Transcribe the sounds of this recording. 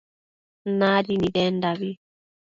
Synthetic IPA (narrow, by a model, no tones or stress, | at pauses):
nadinidɛndaβi